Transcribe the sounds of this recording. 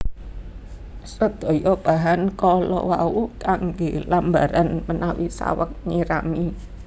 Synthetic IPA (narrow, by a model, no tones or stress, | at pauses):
səd̪̥ɔ̤jɔb̥a̤ɦankɔlɔ̰waukaŋɡelambaɾanmənawisa̰wək̚ɲiɾami